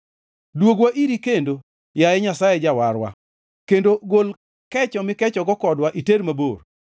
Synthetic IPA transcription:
dwoɡwaʔiɾikendo | jajɛɲasajɛd͡ʒawaɾwa̰ | kendoɡol | kɛt͡ʃɔmɪkɛt͡ʃɔɡɔkɔdwaʔiteɾmabor

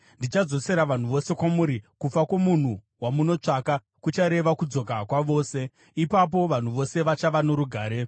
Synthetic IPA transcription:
ndit͡ʃad͡zo̞se̞ɾaʋan̤uʋo̞se̞kwamuɾikufakwomun̤u | wamuno̞t͡ʂaːka | kut͡ʃaɾe̞ʋakud͡zo̞kakwaʋo̞ːse̞ | ipap̬o̞ʋan̤uʋo̞se̞ʋat͡ʃaʋano̞ɾuɡʱaːɾe̞

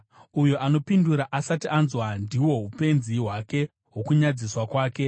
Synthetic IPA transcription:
ujo̞ʔano̞pinduɾaʔasatiʔanzwandiwo̞ɦupe̞nziɦwake̞ | ɦo̞kuɲad͡ziswakwaːke̞

